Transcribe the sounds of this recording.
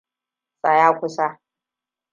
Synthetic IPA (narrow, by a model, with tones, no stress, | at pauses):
sʼa˨jaː˦kʷʊ˦sa˦